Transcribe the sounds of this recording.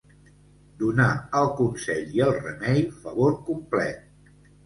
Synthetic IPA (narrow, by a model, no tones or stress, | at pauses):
d̪unaəlˠkunsɛʎiəlˠrəmɛjfəβoɾkumplɛt̪̚